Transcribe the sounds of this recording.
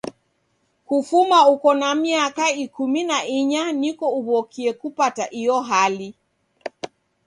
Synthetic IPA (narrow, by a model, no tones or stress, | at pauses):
kufumaukɔnamiakaikuminaiɲanikɔuβɔkʰiɛkupataʔijɔɦali